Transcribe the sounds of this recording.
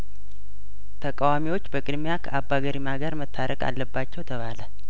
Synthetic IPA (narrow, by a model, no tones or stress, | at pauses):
t̪ʰəkʼawamiwo̞t͡ʃːbəkʼɨd̪mejakʰəʔabːaɡəɾimaɡaɾmət̪ʰːaɾəkʼa̰lːəbːat͡ʃːɛwt̪ʰəβalə